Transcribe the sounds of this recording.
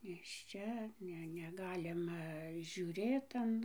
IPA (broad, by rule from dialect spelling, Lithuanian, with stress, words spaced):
nʲeːʃʲˈt͡ʃʲɛ ˈnʲɛ nʲɛˈɡɑːlʲɪmɐ ʒʲuːˈrʲeːt ɐn